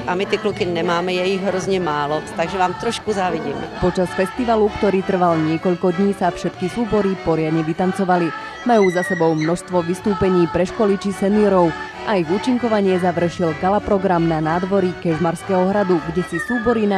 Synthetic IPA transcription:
ʔamit̪ɪklukinɛmaːmɛjɛjiɣɦɾɔzɲɛmaːlɔt̪aɡʒɛʋaːmt̪ɾɔʃkuzaːʋiɟiːmɛ̰pɔt͡ʃasfɛst̪iʋalukt̪ɔɾiːt̪r̩ʋalɲɪɛkɔʎkɔd̪ɲiːsafʃɛt̪kisuːbɔɾipɔɾɪad̪ɲɛʋit̪ant͡sɔʋali | majuːzasɛbɔʊmnɔʃst̪ʋɔʋist̪uːpɛɲiːpɾɛʃkɔlit͡ʃisɛniɔɾɔʊ | ʔaiɣuːt͡ʃiŋkɔʋaɲɪɛzaʋr̩ʃilɡalapɾɔɡɾamnanaːd̪ʋɔɾikɛʒmaɾskɛːɦɔɦɾad̪uɡɟɛsisuːbɔɾina

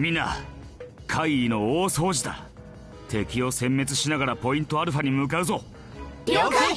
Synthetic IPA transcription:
mʲina̰ | kʰaiːno̞oːso̞ːʑit̪a̰ | t̪ʰe̞kʲio̞sẽ̞mːe̞t͡sɨɕinaɡaɾapo̞ĩnt̪o̞aɾɯ̟ɸaɲ̟imɯ̟k̬aɯ̟zo̞

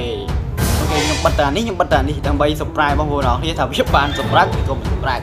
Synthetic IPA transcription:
eːɔkeːɲomɓɨt̪̚ːaːnihɲəmɓɨt̪̚ːaːnihɗaəmɓəjsɑpraɛɓɑːpuəɾəʔɑːŋkʰniət̪ʰaːʋiəɓaːnsɑmrək̚pit̪oːmɨnspraɛ

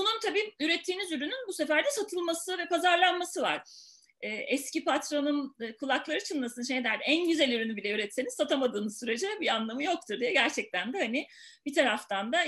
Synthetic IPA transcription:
bununt̪ʰabiːyɾɛt̪ʰːiːnizyɾynynbuse̞fæɾd̪ɛsat̪ʰɯlˠmasɯvɛpazaɾlˠanmasɯva̰ɾ̥ | ɛːʔɛscipʰat̪ɾo̞nunɯkʰulˠaklˠaɾɯt͡ʃʰɯnlːˠasɯnʃejnd̪æɾd̪ænɟyzælʲyɾynybilʲɛyɾɛt̪se̞niz̥sat̪ʰamad̪ɯːmɯzsyɾe̞d͡ʒɛbianlˠamɯjo̞k̚t̪ʰuɾd̪ijɛɟæɾt͡ʃʰɛc̚t̪ʰænd̪ɛhanɪ | b̥it̪ʰaɾaft̪ʰand̪a

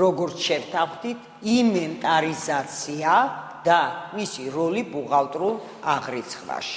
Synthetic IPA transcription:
ɾɔɡɔɾt̪sʰʃɛvt̪ʰaχd̪it̪ʰ | imɛnt̪ʼaɾizat̪sʰia | d̪̥amisiɾɔlibuʁalˠt̪ʼɾulˠ | aʁɾit̪sʰχva̰ʃi̥

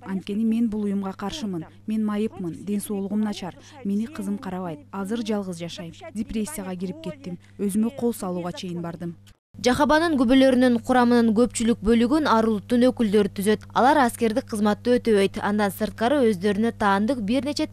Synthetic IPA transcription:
ɑnt̪̚kʲe̞nime̞nbulˠujumʁɑqʰɑɾʃɯmɯn | me̞nmɑjɯpmɯnd̪e̞nso̞ːlˠuʁumnɑt͡ʃɑɾ | me̞niqʰɯzɯmqʰɑɾɑβɑjt̪̚ɑzɯɾd͡ʒɑlˠʁɯzd͡ʒɑʃɑjmdʲeprʲe̞sʲːɪjaʁɑɡiɾip̚ke̞t̪ːim | ø̞zymøqʰo̞lˠsɑlˠuːʁɑt͡ʃʰe̞jinbɑɾd̪ɯm | d͡ʒɑχɑβɑnɯŋɡyβølø̞ɾynyɴqʰuɾɑmɯnɯŋɡø̞pt͡ʃylyk̚bø̞lyɡynɑɾulˠut̪ːunø̞kyld̪ø̞ɾyt̪ʰyzø̞t̪ɑ̰lˠɑɾɑske̞ɾd̪ik̚qʰəzmɑt̪ːɯø̞t̪øβe̞jt̪ɑ̰nd̪ɑnsɯɾt̪̚qɑɾɯø̞zd̪ø̞ɾynø̞t̪ʰɑːnd̪ɯq̚biɾne̞t͡ʃe̞

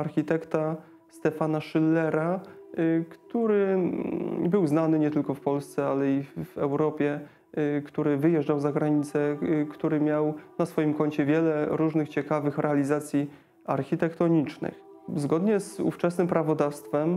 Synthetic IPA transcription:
aɾxʲit̪ɛkt̪a | st̪ɛfanaʂɘlːɛɾa | kt̪uɾɘ | bɘwznanɘɲɛt̪ɘlkɔfpɔlst̪sɛalɛivɛwɾɔpʲjɛ | kt̪uɾɘvɘjɛʐd͡ʐawzaɡɾaɲit̪sɛkt̪uɾɘmʲjawnasfɔjimkɔɲt͡ɕɛvʲjɛlɛɾuʐnɘxt͡ɕɛkavɘxɾʔɛalʲizat̪sʲji | aɾxʲit̪ɛkt̪ɔɲit͡ʂnɘ̰x | zɡɔd̪ɲɛzṵft͡ʂɛsnɘmpɾavɔd̪afst̪fɛm

